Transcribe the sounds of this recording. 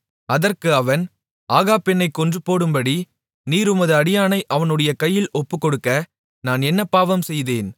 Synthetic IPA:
ɐðɐrkɯɐʋɐn | ʔaːɣaːpɪnːɐɪkːɔndrɯpːoːɽɯmbɐɽi | niːɾɯmɐðɯɐɽɪjaːnɐɪʔɐʋɐnɯɽɐjɐkɐjːɪlɔpːɯkːɔɽɯkːɐ | naːnɛnːɐpaːʋɐmsɛjðeːn

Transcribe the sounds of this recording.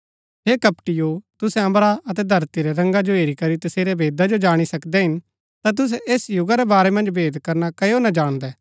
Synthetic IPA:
ɦeːkɐpʈɪjot̪ʊsɛ̃ɐ̃mbɾaɐt̪ɛd̪ʱɐɾt̪iɾɛɾɐ̃ŋɡad͡ʒoɦeːɾikɐɾit̪ɐseːɾɛbʱeːd̪ad͡ʒod͡ʒaːɽ̃isɐkd̪ɛɦɪn | t̪at̪̬ʊs̬ɛʔeːsjʊɡaɾɛbaːɾɛmɐ̃nd͡ʒbʱeːd̪kɐɾnakɐjonɐd͡ʒaːɽ̃d̪ɛː

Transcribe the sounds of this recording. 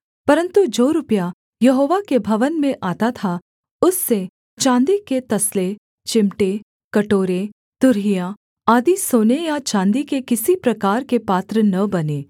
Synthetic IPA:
pɐɾə̃nt̪ud͡ʒoːɾʊpja | jɐɦoːʋakebʱɐʋənmẽʔaːt̪at̪ʰa | ʊsːe | t͡ʃãːnd̪iket̪ɐsle | t͡ʃɪmʈe | kɐʈoːɾe | t̪ʊɾɦija | aːd̪isoːnejat͡ʃãːnd̪ikekɪsipɾɐkaːɾkepaːt̪ɾənɐbɐneː

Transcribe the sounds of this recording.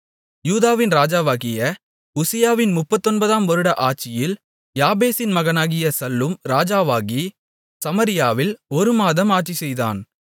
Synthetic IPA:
juːðaːʋɪnɾaːd͡ʒaːʋaːɣɪjɐ | ʊsɪjaːʋɪnmʊpːɐt̪ːɔnbɐðaːmʋɔɾɯɽɐʔaːʈ̚t͡ʃɪjɪl | jaːbeːsɪnmɐɣɐnaːɣɪjɐsɐlːɯmɾaːd͡ʒaːʋaːɣi | sɐmɐɾɪjaːʋɪlɔɾɯmaːðɐmaːʈt͡ʃisɛjða̰ːn

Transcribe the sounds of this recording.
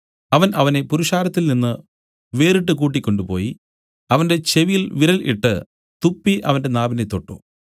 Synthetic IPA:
ɐʋɐnɐʋɐne̞puɾuʂaːɾɐt̪ːilninːɨ | ʋe̞ːriʈ̬ːɨkuːʈ̬ːikʲːo̞ɳɖupo̞ːji | ɐʋɐnde̞t͡ɕe̞ʋijilʋiɾɐlʔḭʈːɨ̰ | t̪upːiʔɐʋɐnde̞naːbinet̪ːo̞ʈːṵ

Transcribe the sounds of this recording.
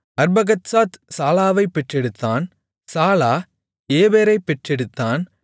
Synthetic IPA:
ɐɾbɐɣɐt̪saːt̪saːlaːʋɐɪpːɛʈrɛɽɯt̪ːaːn | saːlaː | eːbeːɾɐɪpːɛʈrɛɽɯt̪ːaːn

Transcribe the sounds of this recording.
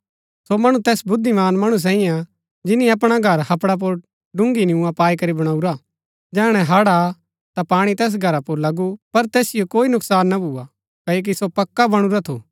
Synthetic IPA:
somɐɽ̃ũt̪ɛːsbʊd̪ʱːimaːnmɐɽ̃us̬ɛːĩjã | d͡ʒɪnĩɐp̬ɽ̃aɡʱɐɾhɐpɽap̬oɾ | ɖʊ̃ŋɡinɪũãpaːikɐɾibɐɽ̃aːuɾa | d͡ʒɛːɽ̃ɛ̃ɦaːɽa | t̪apaːɽ̃it̪ɛːs̬ɡʱɐɾapoɾlɐɡupɐɾt̪ɛːsɪjokoːinʊksaːnːabʱuːa | kɐoːk̬isopɐkːabɐɽ̃uɾat̪ʰo̰ː

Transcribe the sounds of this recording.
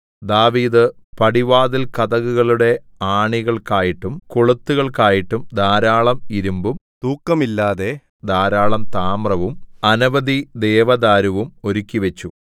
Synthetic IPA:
d̪aːʋiːd̪ɨ | pɐɽiʋaːðilkɐðɐɣuɣɐɭuɽe̞ | aːɳiɣɐɭkaːjiʈːumkoɭut̪ːuɣɐɭkaːjiʈːumd̪aːɾaːɭɐmiɾumbumt̪uːkːɐmilːaːðe̞ | d̪aːɾaːɭɐmt̪aːmrɐʋumɐnuʋɐd̪id̪e̞ːʋɐd̪aːɾuʋumo̞ɾukʲːiʋet͡ɕːu

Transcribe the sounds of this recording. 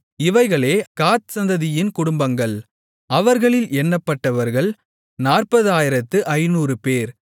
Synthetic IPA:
ɪʋɐɪɣɐɭeːkaːt̪̚sɐnd̪ɐðɪjɪnkʊɽʊmbɐŋɡɐɭ | ɐʋɐɾɣɐɭɪlɛnːɐpːɐʈːɐʋɐɾɣɐɭ | naːrpɐðɯaːjɪɾɐt̪ːɯʔɐɪnuːrɯpeːɾ

